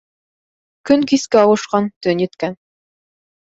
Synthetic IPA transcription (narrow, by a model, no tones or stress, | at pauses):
kɵnkiskæɑwɤ̆ʃqɑnt̪ɵnjɘ̆t̪kæn